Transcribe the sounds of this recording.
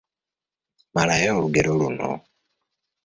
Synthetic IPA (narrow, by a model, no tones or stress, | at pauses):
malajeoɾuɡeɾoluno̰